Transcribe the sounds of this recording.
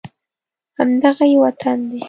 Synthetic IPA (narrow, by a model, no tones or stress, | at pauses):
hamd̪aɣajwat̪ʰand̪e